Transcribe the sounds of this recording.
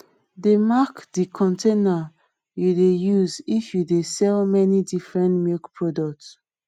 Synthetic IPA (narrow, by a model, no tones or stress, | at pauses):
demakdikʰɔ̃ntena | judejuzifjudesɛlmɛnidifɹɛ̃ntmilkpʰɹɔdɔk̚ts